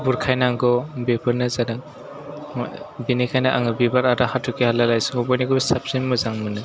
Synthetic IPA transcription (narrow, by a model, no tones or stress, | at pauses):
buɾkʰajnaŋɡɔbepʰɯɾnɯzanɯ̰ | binikʰajnaʔaŋɯbibaɾaɾahatʰukehalalajsɯŋɔbɔjniɡɯbsap̚sinmɯzaŋmɯnɯ